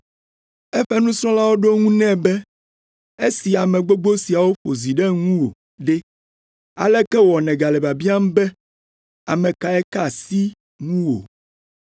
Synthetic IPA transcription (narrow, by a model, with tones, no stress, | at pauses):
ɛ˦ɸɛ˦nũ˦sɾ̃ɔ̃˦la˦wo˦ɖo˦ŋũ˦nɛ̃˦bɛ˦ | e˦si˨a˨mɛ̃˨ɡ͡bo˦ɡ͡bo˦si˨a˨wo˦ɸo˨zi˨ɖɛ˦ŋũ˦wo˨ | ɖɛ˦ | a̰˨lɛ˦kɛ˦wɔ˨nɛ̃˨ɡa˨le˨ba˨bi˦a˦m˦bɛ˦ | a̰˨mɛ̃˨ka˨ɛ˦ka˨si˦ | ŋũ˦wo̰˨